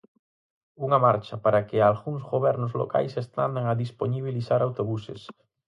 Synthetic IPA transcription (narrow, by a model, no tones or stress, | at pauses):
uŋɐmaɾt͡ʃɐpaɾakɪalɣuŋzɣoβɛɾnʊzlo̰ka̰jsest̪and̪eŋaðisponiβ̞iliθaɾawt̪oβusḛs